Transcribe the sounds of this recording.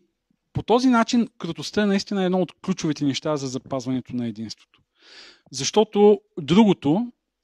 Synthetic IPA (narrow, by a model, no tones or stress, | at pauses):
pot̪ɔzinat͡ʃinkɾot̪ost̪əɛnɐist̪inəɛd̪nɔot̪klʲut͡ʃʊvit̪ɛnɛʃt̪azɐzɐpazvɐnɛt̪onɐɛd̪inst̪vo̥t̪o̥ | zɐʃt̪ɔt̪od̪ɾuɡot̪o